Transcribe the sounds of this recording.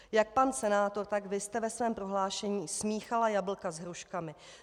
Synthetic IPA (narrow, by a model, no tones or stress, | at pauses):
jak̚pansɛnaːt̪o̞ɾt̪aɡvɪst̪ɛvɛsvɛːmpɾo̞ɦlaːʃɛɲiːsmiːxalajabl̩kazɦɾuʃkamɪ